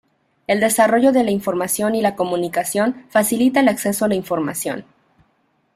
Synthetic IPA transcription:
e̞ld̪e̞saro̞ʝo̞ðe̞laiɱfo̞ɾmasjo̞nilako̞mũnikasjo̞nfasilit̪aelakse̞so̞alaiɱfo̞ɾma̰sjo̞̰n

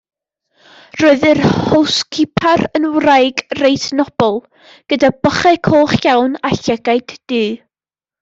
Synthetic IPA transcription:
roɨðɨrhowskʰɪpʰarənwrajɡrejtnɔb̥ɔlˠ | ɡ̥ədab̥əχɛkʰoːχjawnaɬɛɡajd̥ːɨː

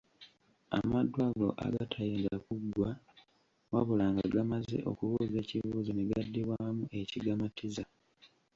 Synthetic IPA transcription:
a̰madwaɡo̞̰ʔa̰ɡatʰajeŋɡakuɡwa | waβulaːŋɡaɡamazḛʔo̞̰kuβuːze̞ːciβuːzineɡadːiβwamue̞ciɡamatiza

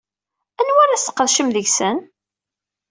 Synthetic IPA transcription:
ænwaɾasə̥qːəðʃəmðəʝsən

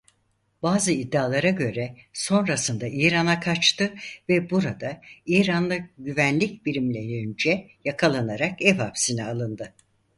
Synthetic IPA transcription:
baːzɯid̪ːaːlˠaɾaɟø̞ɾɛso̞nɾasɯnd̪aiːɾanakʰat͡ʃt̪ʰɯvɛbuɾad̪aiːɾanlˠaɟyvænlʲicbiɾimlʲejynd͡ʒɛ | jakʰalˠanaɾakɛvapsinɛalˠɯnd̪ɯ

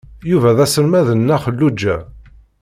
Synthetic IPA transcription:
juvæðæsəɾmæðənːæχəlːud͡ʒːæ

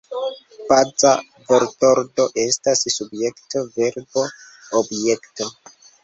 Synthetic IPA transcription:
pad͡za̰ | vo̞ɾto̞ɾdo̞ʔe̞stassubje̞kto̞ve̞ɾbo̞ | obje̞kto̞

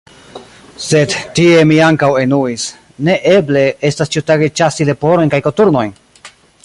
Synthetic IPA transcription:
se̞dtie̞miaŋkawe̞nuis | ne̞ʔeble̞estast͡ʃiutaɡe̞t͡ʃasile̞po̞ɾo̞jnkajkotuɾno̞jn

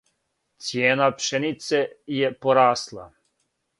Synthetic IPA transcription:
t̪sjeːnapʃenit̪sejepoɾaːslˠa̰

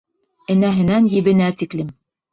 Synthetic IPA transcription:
ɘ̆næɦɘ̆nænjɘ̆βɘ̆næt̪iklɘm

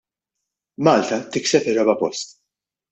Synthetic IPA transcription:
mɐːlt̪ɐt̪ɪksɛpɪrɐbɐpɔst̪

